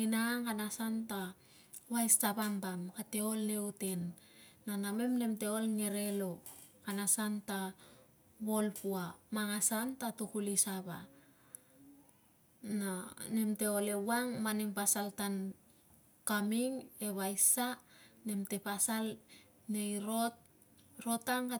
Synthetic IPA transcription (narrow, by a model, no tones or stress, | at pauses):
ninaaŋkanasanta | βajstabambamkate̞o̞lne̞ute̞nː | aname̞mne̞mte̞o̞lŋeɾe̞lo̞ | kanasanta | βo̞lpuamaŋasantatukulisaβa | nane̞mte̞ole̞waŋmaneŋpasaltan | kamiŋe̞βajsane̞mte̞pasal | ne̞jɾo̞t̚ | ɾo̞taŋka